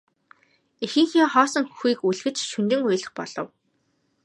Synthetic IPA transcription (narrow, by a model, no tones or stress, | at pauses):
ixɘ̆ŋxiːχɔːsɞ̆ŋxu̥xiːkuɮɣɘ̆t͡ɕʃunt̪ɘ̆ŋuj̆ɮə̆χpɔ̰ɮ̥ɞ̆w